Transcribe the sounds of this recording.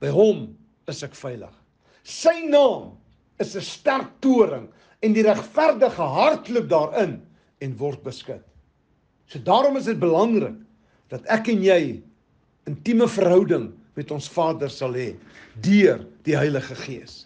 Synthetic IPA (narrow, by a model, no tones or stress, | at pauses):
b̥əjɦɔm | əsækfɛjlə̰χ | səjnɑːm | əsəstærk̚tuəɾəŋ | ɛndiɾæχfærdəχəɦɐrtlup̚dɑːɾən | ɛnvɔrt̚bəskət | suədɑːɾɔməs̬ət̚bəlɐŋrə̰k | d̥ɐtækɛnjɛj | əntiməfərɦœwdəŋ | mɛtɔnsfɑːdərsɐlɦɛdyərd̥iɦəjləχəχiəs